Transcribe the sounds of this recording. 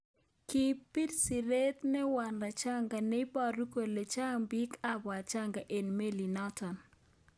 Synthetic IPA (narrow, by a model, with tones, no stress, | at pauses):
ki˦pːi˦tsi˨ɾe˦t̪nɛ˦wa˨nla˨t͡ʃa˦ŋɡa˨ne˦i˦pa˦ɾu˦ko˨le˨t͡ʃa˦ŋbi˦ka˦ba˨t͡ʃa˦ŋɡa˨ʔe˨nme˦li˨nɔ˦tɔ˨n